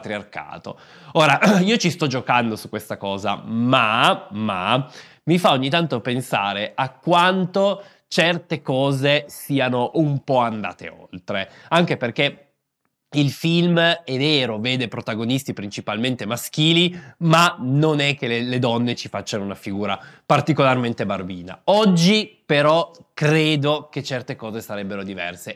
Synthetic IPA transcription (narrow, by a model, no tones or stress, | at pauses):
t̪ɾiarka̰ːt̪o̰ | oːɾaiːot͡ʃist̪ɔd͡ʒokand̪osukwest̪akɔːza̰mama̰ | mifaoɲːit̪ant̪opensa̰ːɾeʔakːwant̪o | t͡ʃɛrt̪ekɔːzesiːanoʔumpɔand̪a̰ːt̪ḛo̰lt̪ɾeaŋk̟eperk̟e | ilfilmɛveːɾoveːd̪epɾot̪aɡonist̪ipɾint͡ʃipalment̪emask̟iːlimanonɛk̟ːeleled̪ɔnːet͡ʃifat͡ʃːanounafiɡuːɾa̰part̪ikolarment̪ebarbiːna̰ɔd͡ʒːipeɾɔkɾeːd̪oket͡ʃːɛrt̪ekɔːzesaɾɛbːeɾod̪ivɛ̰rse